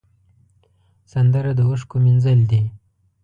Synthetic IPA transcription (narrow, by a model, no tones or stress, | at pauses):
sand̪əɾad̪əwəʂkominzəld̪i